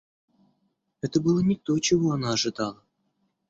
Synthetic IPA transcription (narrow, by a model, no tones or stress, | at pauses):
ɛt̪əbɨlˠənʲɪk̚t̪ot͡ɕɪvoɐnaːʐɨd̪ɑlˠə